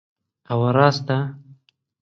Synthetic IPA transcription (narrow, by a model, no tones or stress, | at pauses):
awaɾɑst̪a